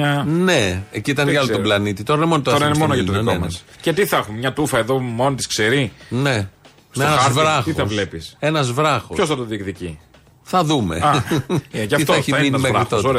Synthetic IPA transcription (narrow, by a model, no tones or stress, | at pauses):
neeciit̪ɐnk̪ɐlot̪oblɐnit̪it̪o̞ɾɐnemonot̪oɐoɾɐinemonoɐt̪onenoenmɐescet̪iθɐxummɲɐt̪ufɐeðo̞mo̞nt̪iskseɾine̞ | snezvɾɐxt̪ioɐvlepise̞nɐzvɾɐxo̰çosθɐt̪oðikðici | θɐðume̞̰ɐ | ʝɐfiθɐeçimminimeɾit̪ooɾ